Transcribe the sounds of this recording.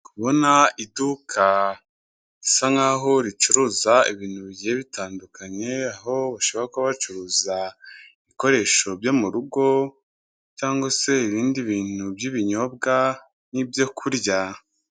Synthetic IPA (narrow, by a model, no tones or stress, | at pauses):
kuβo̞naidukʰa | isaŋaːɦo̞ɾit͡ʃuɾuːzaiβiːnhuβiɟieβitʰaːndukaɲe̞aɦo̞βaʃoβaakoβat͡ʃuɾuːzaiβiko̞ɾe̞ʃo̞bjo̞muɾuɡo̞ | caːŋɡose̞iɾiːndiβiːn̥ubjiβiɲo̞b̚ɡa | nibjo̞kʰuɾja